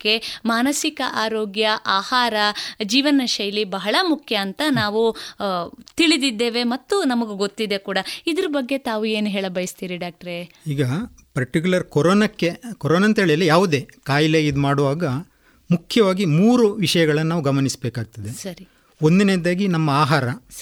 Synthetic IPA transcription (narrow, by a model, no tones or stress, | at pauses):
kːe̞maːnɐsikɐʔaːɾoːɡjɐʔaːhaːɾɐd͡ʒiːʋɐnɐʃɐjlibɐɦɐɭɐmukʰjɐːnt̪ɐnaːʋu | t̪iɭid̪id̪ːe̞ːʋe̞mɐt̪ːunɐmɐɡeɡo̞t̪ːid̪e̞kuːɽɐid̪ɐɾɐbɐɡːe̞t̪aːʋue̞ːnuɦeːɭɐbɐjist̪iːɾiɖaːk̚ʈɐɾe | iːɡɐ | pɐɾʈik̬julɐɾkoɾoːnɐkːekɔɾoːnɐnt̪eːɭijɐlːijaːʋud̪e̞ːkaːjleid̪maːɽuʋaːɡɐ | mukʰjɐʋaːɡimuːɾuʋiʂɐjɐɡɐɭɐnːɐnaːʋuɡɐmɐnisbeːkaːɡ̚t̪ɐd̪esɐɾi | ond̪ineːd̪aːɡinɐmːɐaːɦaːɾɐs